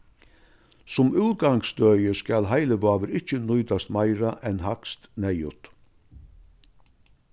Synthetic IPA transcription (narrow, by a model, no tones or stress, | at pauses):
sɔmʉːɡɑŋsd̪œʏəskɑlhæɪləʋɑːʋəɾɪçənœʏd̪ɑst̪mæɪɾɑʔɛnhɑkst̪næɪʉt̪